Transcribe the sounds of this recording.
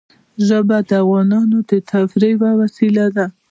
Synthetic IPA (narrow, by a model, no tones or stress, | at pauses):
ʒəbad̪əavɣɑnɑnod̪ət̪ʰafɾəjwawasilad̪a